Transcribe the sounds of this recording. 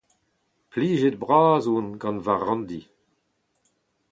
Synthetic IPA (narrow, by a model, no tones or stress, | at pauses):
pliːʒed̚bʁaːzunɡɑ̃nvaʁɑ̃ndi